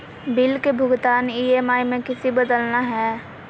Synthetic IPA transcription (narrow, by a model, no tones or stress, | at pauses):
bɪlkebʱʊɡt̪aːniːemaːimẽkɪsibəd̪əlnaɦɛː